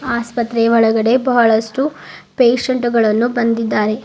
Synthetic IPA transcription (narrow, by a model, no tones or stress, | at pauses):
aːspɐt̪ɾeʋɐɭɐɡɐɽe̞bɐɦɐɭɐʂʈu | peːʂɐɳʈuɡɐɭɐnːubɐnd̪id̪ːaːɾe̞